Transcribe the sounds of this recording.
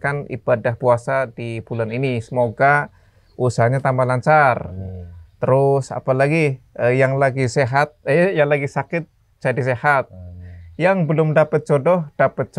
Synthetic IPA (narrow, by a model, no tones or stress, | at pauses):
kanḭb̥adahpuasadibulaninisəmoɡa | ʔusaɲat̪ambahlaɲt͡ʃar | t̪əɾʊsa̰palaɡiəjaŋlaɡiseɦat̪̚jaŋlaɡisakɪt̪̚ | d͡ʒadis̬ehat̪̚jaŋbəlʊmdapət̪̚t͡ʃodɔhd̥apət̪̚t͡ʃ